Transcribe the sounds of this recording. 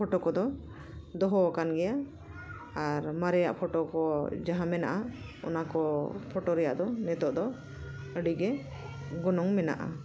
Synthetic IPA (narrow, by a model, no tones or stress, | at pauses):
ɔʈɔkɔd̪ɔ | d̪ɔɦɔkanɡɛjaː | ɾmaɾɛja̰ʔpʰɔʈɔkɔd͡ʒaɦãmɛnaʔa | ɔ̰nakɔpʰɔʈɔɾɛja̰ʔd̪ɔnɛt̪ɔʔd̪ɔ | əɖiɡɛ | ɡɔnɔŋmɛna̰ʔa̰